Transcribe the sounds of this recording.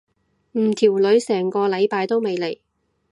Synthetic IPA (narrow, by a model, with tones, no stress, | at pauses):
m̩˨˩t̪ʰiː˨˩wlɵ˨˧ɥsɛː˨˩ŋkɔː˧lɐ˨˧jpaː˧jt̪o˥wme˨˧jle˨˩j